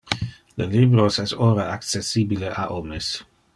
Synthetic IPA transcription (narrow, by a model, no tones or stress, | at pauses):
lelibɾosɛsoɾaakt͡sesibileʔaʔomes